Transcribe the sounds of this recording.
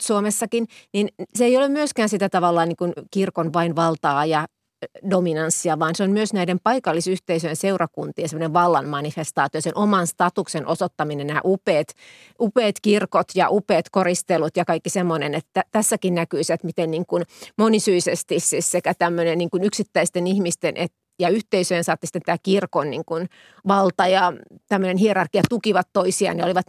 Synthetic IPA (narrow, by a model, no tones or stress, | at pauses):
suomesːɑkinninseeijolemmyøskæːnsit̪ːæt̪ɑʋɑlːɑːniːŋkunkirkonʋɑinʋɑlt̪ɑːjɑ | dominɑnsːiɑʋɑːnseommyøsnæidempɑikɑlːisyht̪eisøjenseurɑkunt̪ˑiːensemːŏneʋʋɑlːɑnmɑnifest̪ɑːt̪jojsenʔomɑnst̪ɑt̪uksenʔosot̪ːɑminennæːʔupeːt̪ | ʔupeːt̪kirkot̪jɑ̰ʔupeːt̪korist̪elut̪jɑkɑikːisemːonenet̪ːæt̪æt̪æsːækinnækyisæt̪mit̪enniŋkunmonisyisest̪ississekæt̪æmːønenniːŋkunyksit̪ːæist̪enihmist̪enʔet̪ | jɑyht̪eisøensɑːt̪ːisi̥t̪ːent̪æːkirkonnḭŋkun | ʋɑlt̪ɑjɑt̪æmːønenhierɑrkiɑt̪ukiʋɑt̪toisiɑ̰neoliʋɑt̪